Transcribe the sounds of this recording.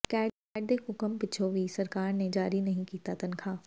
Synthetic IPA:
kɛː | ɖekʊkəmpɪt͡ʃʰoʋisɐɾkaːɾnẽd͡ʒaːɾinɐɦĩkiːt̪at̪ɐnkʰaː

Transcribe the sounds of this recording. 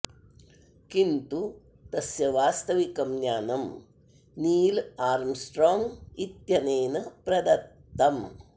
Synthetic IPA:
kint̪u | t̪ɐsjɐʋaːst̪ɐʋikɐmɲjaːnɐm | niːlaːɾmsʈɾoːŋɡit̪jɐneːnɐpɾɐd̪ɐt̪ːɐm

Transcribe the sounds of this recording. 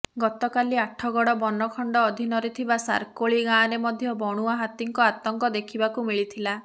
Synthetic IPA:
ɡɔt̪ɔkaliaʈʰɔɡɔɽɔbɔnɔkʰɔɳɖɔːd̪ʱinɔɾet̪ʰibasa̰ɾkoɭiɡãːɾemɔd̪ʱjɔbɔɽ̃uaɦat̪iŋkɔat̪ɔŋkɔd̪ekʰibakumiɭit̪ʰila

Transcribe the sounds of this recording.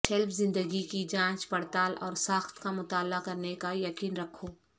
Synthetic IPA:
ʈʰɛlpʰzɪ̃nd̪əɡikid͡ʒãːt͡ʃpɐɽt̪aːlʔɔ̰ːɾsaːxt̪kamʊt̪aːlːakɐɾnekajɐkiːnɾɐkʰːoː

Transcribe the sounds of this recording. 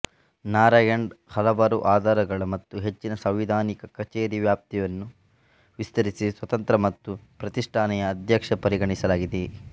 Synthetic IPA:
naːɾaːjɐɳɖhɐlɐʋaːɾuʔaːd̪ʱaːɾɐɡɐɭɐmɐt̪ːuɦe̞t͡ʃːinɐsɐwʋid̪ʱaːnikɐkɐt͡ʃeːɾiʋjaːp̚t̪ijɐnːu | ʋist̪ɐɾisisʋɐt̪ɐnt̪ɾɐmɐt̪ːupɾɐt̪iʂʈʰaːnɛjɐːd̪ʱjɐkʂɐpɐɾiɡɐɳisɐlaːɡid̪e

